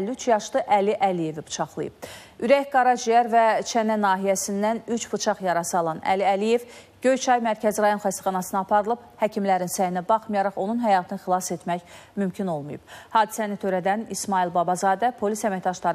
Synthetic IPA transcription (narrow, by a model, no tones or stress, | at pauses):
lyt͡ʃʰjɑʃd̪ɯʔæliʔælije̞vib̥u̥t͡ʃʰɑχlˠɯ̰jɯ̰b̥̚ | yɾæçɡɑɾɑd͡ʒijæɾvæt͡ʃʰænænɑːɦijæsind̪ænyt͡ʃbut͡ʃʰɑχjɑɾɑsɯɑlˠɑnæ̰liælije̞v | ɟ̥ø̞jt͡ʃʰɑjmæɾcʰæziɾɑjo̞nχæst̪æ̥χɑnɑsɯnɑːpʰɑɾɯlˠɯb̥hæcʰimlæɾinsæjinæbɑχmɯjɑɾɑχo̞nunɦæjɑːt̪ʰɯnɯxilˠɑse̞t̪mæçmymcʰino̞lˠmujṵb̥hɑːd̪isænit̪ʰøɾæd̪ænismɑilˠbɑbɑzɑːd̪æpʰo̞lisæmæçd̪ɑʃlˠɑɾɯ